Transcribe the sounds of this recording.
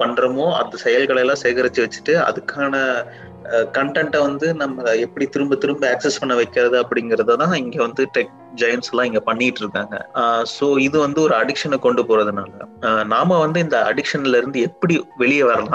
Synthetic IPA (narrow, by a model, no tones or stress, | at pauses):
pɐɳːɾɐmoːɐ̰nd̪ɐsɛjɐlkɐɭɐjlãːseːɣɐɾɐt͡ʃːɯʋɐt͡ʃːɯ̥ʈːɯɐ̰ðɯkːaːnɐ | kɐɳʈɐɳʈɐʋɐnd̪ɯnɐmːɐɛpːɐɽit̪ɪɾɯmbɐt̪ɪɾɯmbɐaːksɛspɐɳːɐʋɐɪkːɪɾɐðɯɐpːɐɽɪŋɡɪɾɐðɐt̪ãːɪŋɡeːʋɐnd̪ɯʈɛk̚ | d͡ʒɐjɐnsɐlãːɪŋɡepɐɳːɪjɪʈːɪɾɯkːa̰ːŋɡɐ̰soːɪðɯʋɐnd̪ɯɔɾɯɐɽɪkʂɐnɛkɔɳɖɯpoːɾɐðɯna̰ːlɐnaːmɐʋɐnd̪ɯɪnd̪ɐʔɐ̰ɽɪkʂɐnɪlɪɾɯnd̪ɯɛpːɐɽiʋɛɭɪjɐʋɐɾɐlã̰ː